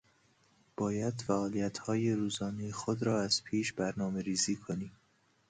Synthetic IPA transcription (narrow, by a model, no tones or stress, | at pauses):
b̥ɒːjæd̪̥fæɒːlijæt̪hɒːjeɾuːzɒːnejexod̪ɾɒːæz̥pʰiːʃbæɾnɒːme̞ɾiːziːkʰoniː